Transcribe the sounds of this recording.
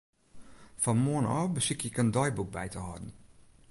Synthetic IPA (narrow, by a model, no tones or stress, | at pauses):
fɔnmoənɔbəsɪkɪkəndɔjbuk̚bɛjtəɦɔ̰dən̩